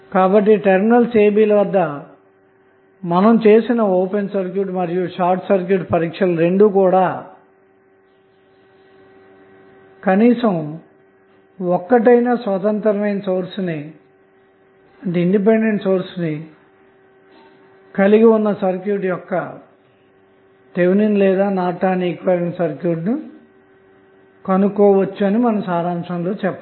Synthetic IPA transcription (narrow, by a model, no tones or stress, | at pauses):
kaːbɐʈːiʈeɾminɐlseːbiːlɐʋɐd̪ːɐ | mɐnɐmt͡ʃe̞ːsinɐoːpensɐɾkjuːʈ̬imɐɾijuʃaːɾʈsɐɾk̬juːʈpɐɾiːkʂɐlɐɾe̞ɳɖukuːɽaː | kɐniːsɐm | ɔkːɐʈ̬ɐjnaːsʋɐt̪ɐnt̪ɐɾɐmɐjnɐsoːɾsni | ɐɳʈeiɳɖip̬eɳɖeɳʈsoːɾsni | kɐliɡiunːɐsɐɾkjuːʈ̬jɔkːɐ | t̪eʋninlɛːd̪aːnaːʈaːniːkʋɐɾenɳʈsɐɾkjuːʈni | kɐnukɔːʋɐt͡ʃːuɐnimɐnɐmsaːɾaːmʂɐmlo̞ːt͡ʃɛpːɐ